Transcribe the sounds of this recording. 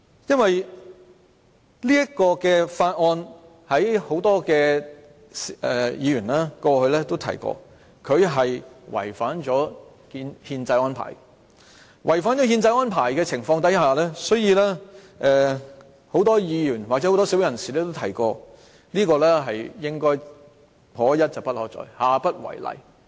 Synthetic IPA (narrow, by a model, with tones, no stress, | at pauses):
jɐ˥nwɐ˨j | liː˥jɐ˥kɔː˧kɛː˧faː˧t̚ŋɔː˧n | hɐ˨˥jho˨˥wt̪ɔː˥kɛː˧ | sɛ˨˧jiː˨˧ɥyː˨˩nlaː˥kɔː˧hɵ˧ɥlɛː˥t̪o˥wt̪ʰɐ̰˨˩jkɔ̰ː˧ | kʰɵ˨˧ɥɦɐ˨jwɐ̰˨˩jfaː˨˥nt͡ʃɔː˨˥ | ki˧nhiː˧nt͡sɐ˧jɔː˥npʰa̰ː˨˩j | wʔɐ˨˩jfaː˨˥nt͡ʃɔ˨˥ɦiː˧nt͡sɐ˧jɔː˥npʰaː˨˩jkɛː˧t͡sʰɪ˨˩ŋfɔː˧ŋt̪ɐ˨˥jɦaː˨lɛː˥sɔ˨˥ɥjiː˧lɛː˥ | ʔɛː˨ | ho˨˥wt̪ɔː˥jiː˨˧jyː˨˩nwaː˨k̚ɛ˨˥ho˨˥t̪ɔː˥si˨˥wjɐ˨˩nsiː˨lɛː˥t̪o˥wt̪ʰɐ˨˩jkɔː˧ | liː˥kɔː˧lɛː˥ɦɐ˨jjɪ˥ŋkɔː˥j | pʰɔː˨˥jɐ˥t̚t͡sɐ˨wpɐ˥t̚hɔː˨˥t͡sɔ̰ː˨˥jhaː˨pɐ˥t̚wɐ̰˨˩jlɐ̰˨˩j